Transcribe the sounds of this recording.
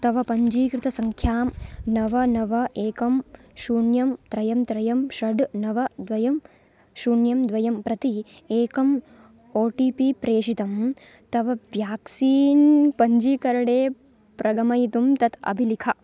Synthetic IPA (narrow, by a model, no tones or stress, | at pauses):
t̪ɐʋɐpɐɲd͡ʒiːkɾɪt̪ɐsɐŋkʰjaːmnɐʋɐnɐʋɐʔeːkɐm | ʃuːɳjɐmt̪ɾɐjɐmt̪ɾɐjɐmʃɐɖnɐʋɐd̪ʋɐjɐm | ʃuːɳjɐmd̪ʋɐjɐmpɾɐt̪i | eːkɐm | oːʈiːpipɾeːʂit̪ɐm | t̪ɐʋɐʋjaːksiːnpɐɲd͡ʒiːkɐɾɐɽeː | pɾʔɐɡɐmɐjit̪umt̪ɐt̪ɐ̰bʱilikʰɐ